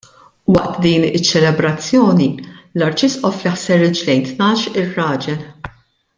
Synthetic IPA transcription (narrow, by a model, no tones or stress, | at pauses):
wɐʔt̪d̪iːnɪt͡ʃːɛlɛbɾɐt͡sːjɔːnilɐɾt͡ʃɪsʔɔflɪħsɛɾɪd͡ʒlɛjnt̪nɐːʃɪrːɐːd͡ʒɛl